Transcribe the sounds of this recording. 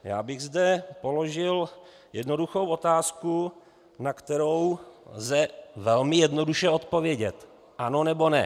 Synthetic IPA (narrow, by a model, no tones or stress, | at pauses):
ja̰ːbɪɣzdɛpo̞lo̞ʒɪl | jɛdno̞duxo̞wʔo̞t̪aːsku | nakt̪ɛɾo̞wzɛvɛlmɪjɛdno̞duʃɛo̞t̪povjɛɟɛt̪ | ʔano̞nɛbo̞nɛ̰